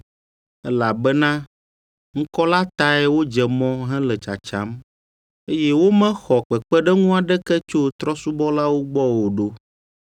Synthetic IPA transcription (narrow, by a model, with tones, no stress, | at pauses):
ɛ˦la˨bɛ˦nã˦ | ŋ̩˦kɔ˦la˦t̪a˦ɛ˦wo˦d͡ʒɛ˨mɔ̃˦ɦɛ̃˦lɛ˨t͡ʃa̰˨t͡ʃa̰˦m | e˦jɛ˦wo˦mɛ̃˦xɔ˨k͡pɛ˨k͡pɛ˦ɖɛ˦ŋũ˦a˨ɖɛ˦kɛ˦t͡ʃo˦t̪ɾɔ˦su˦bɔ˦la˦wo˦ɡ͡bɔ˦wo˨ɖo˦